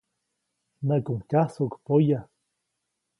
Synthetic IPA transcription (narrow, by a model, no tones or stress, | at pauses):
nakuŋkasokpoja